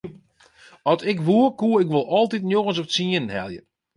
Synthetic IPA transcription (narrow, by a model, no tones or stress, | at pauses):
ɔsɪkʋuərkuəɪkʋolˠɔlˠtitnjoɣəns̬ɔpsiənnhɛ̰lˠjə̰